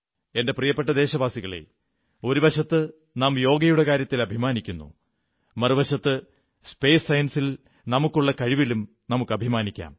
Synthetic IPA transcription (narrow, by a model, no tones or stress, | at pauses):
e̞nde̞prijɐpːe̞ʈ̬ːɐd̪e̞ːɕɐbaːsiɣɐɭḛ | o̞ɾubɐɕɐt̪ːɨ | naːmjo̞ːɡɐjuɽekaːɾjɐt̪ːilɐbʱimaːnikʲːunːṵ | mɐrubɐɕɐt̪ːɨ | spe̞ːsːɐjɐnsil | nɐmukːuɭːɐkɐɻiʋilum | nɐmukːɨɐbʱimaːnikʲːa̰ːm